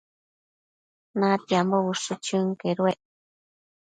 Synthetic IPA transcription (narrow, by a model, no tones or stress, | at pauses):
nãt̪jamboβuʂut͡ʃɨ̃ŋkeɾueʔ